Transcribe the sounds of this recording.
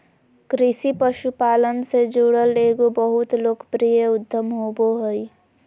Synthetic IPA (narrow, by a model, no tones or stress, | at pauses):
kɾɪsipəʃupaːlənsed͡ʒuːɽəleːɡobəɦʊt̪loːkpɾijəʊd̪ʱːəmɦoːboɦəi